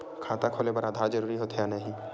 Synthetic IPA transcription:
kʰaːt̪akʰoːlebəɾaːd̪ʱaɾd͡ʒəɾuːɾiɦot̪ʰejanəɦĩ

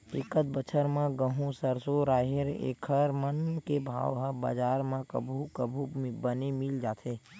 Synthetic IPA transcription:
ɪkət̪̚bət͡ʃʰəɾmẽɡə̃ɦũsəɾsoɾaːɦeɾḛːkʰəɾmənkebʱa̰ːʋɦəba̰ːd͡ʒaːɾmẽkə̰bʱukəbʱubənemɪld͡ʒaːt̪ʰeː

